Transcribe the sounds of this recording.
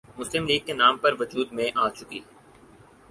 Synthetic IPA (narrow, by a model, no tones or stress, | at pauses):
mʊslɪmliːɡ̚kːenaːmpɐɾʋʊd͡ʒuːd̪mẽʔaːt͡ʃʊkiː